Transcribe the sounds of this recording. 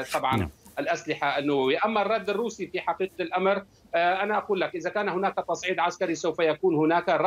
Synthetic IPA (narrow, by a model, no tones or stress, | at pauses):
t̪ˤɑbʕɑ̰nʔalʔaslɪħaanːawawɪjːaʔamːarˤːɑd̪ːɪrːuːsifiːħɑqiːq̚lʔamɾ | ʔanaʔaquːlːakʔɪðakaːnhʊnaːkat̪ˤɑsˤʕiːd̪ʕaskaɾisawfajakuːnhʊnaːkaɾˤ